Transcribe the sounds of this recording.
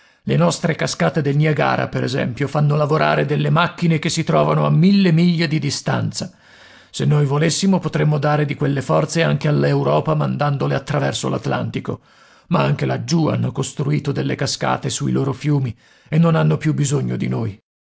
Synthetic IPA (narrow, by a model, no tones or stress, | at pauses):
lenɔst̪ɾekaskaːt̪ed̪elniaɡa̰ːɾa̰peɾɛ̰zɛ̰mpjofanːolavoɾa̰ːɾed̪elːemakːinek̟esːit̪ɾɔːvanoamːilːemiʎːed̪id̪ist̪a̰nt̪sa | senːojvolesːimopot̪ɾemːod̪aːɾed̪ikwelːefɔrt̪seaŋk̟ealːewɾɔːpamand̪and̪oleat̪ːɾavɛrsola̰t̪la̰nt̪iko̰ | maaŋk̟elad͡ʒua̰nːokost̪ɾuiːt̪od̪elːekaska̰ːt̪esuiloːɾofjuːmi | enːonanːopjubːizoɲːod̪inoːj